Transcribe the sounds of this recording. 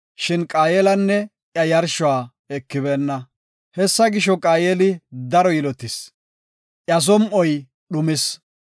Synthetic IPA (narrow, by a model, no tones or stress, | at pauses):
ʃɪnkʼaːjeːlɐnːɛ | ʔjɐjɐɾʃʊaː | ɛkːɪβeːnːɐ | hɛsːɐɡɪʃɔkʼaːjeːlɪd̪ɐɾɔjɪlɔt̪ːɪs | ʔjɐs̬ɔmʔɔj | ɗʊmɪs